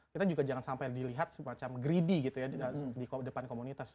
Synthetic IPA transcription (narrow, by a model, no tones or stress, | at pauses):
kit̪ad͡ʒuɡad͡ʒaŋansampajdiliɦat̪̚səmat͡ʃamɡɾidiɡit̪ujaədikdəpankomunit̪as